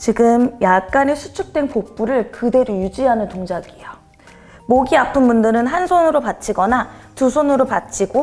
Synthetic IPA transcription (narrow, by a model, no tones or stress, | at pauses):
t͡ɕiɡɯmjak̚k͈anesʰut͡ɕʰuk̚t͈we̞npop͈uɾɯɭkɯde̞ɾojud͡ʑiɦanɯntoŋd͡ʑaɡijo | moɡiapʰɯnmundɯɾɯnɦansʰonɯɾopat͡ɕʰiɡʌnatusʰonɯɾopat̚t͡ɕ͈ʰiɡo